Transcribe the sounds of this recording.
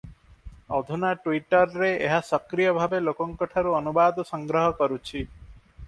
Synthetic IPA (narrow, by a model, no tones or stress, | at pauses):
ɔd̪ʱunaʈuwiʈɔɾːeḛɦasɔkɾijɔbʱabelokɔŋkɔʈʰaɾuɔnubad̪ɔsɔŋɡɾɔɦɔkɔɾut͡ʃʰi